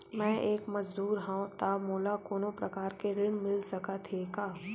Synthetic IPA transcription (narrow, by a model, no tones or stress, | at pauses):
mɛ̃ːʔeːkmɐzd̪uːɾɦɛ̃t̪amoːlakoːnõpɾɐkaːɾkeɾɪɽ̃mɪlsɐkat̪ʰeːkaː